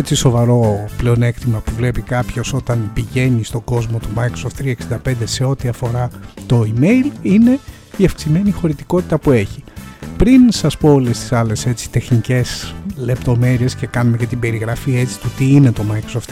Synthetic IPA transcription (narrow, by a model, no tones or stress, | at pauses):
et͡siso̞vɐɾo̞ple̞o̞ne̞kt̪imɐpuvle̞pikɐpço̞so̞t̪ɐnpiʝe̞nist̪o̞ɡo̞zmo̞t̪umɐjkɾosoft̪ɾiɐeksind̪ɐpe̞nd̪e̞se̞o̞t̪iɐfo̞ɾɐt̪o̞ime̞jline̞ | iɐfksime̞nixo̞ɾit̪iko̞t̪it̪ɐpue̞çipɾinsɐspo̞olest̪i̥sɐle̞se̞t͡si̥t̪e̞xnice̞sle̞pt̪o̞me̞ɾie̞sce̞kɐnumecɐt̪ibe̞ɾiɣɾɐfie̞t͡si̥t̪ut̪iine̞t̪o̞mɐjkɾosoft̪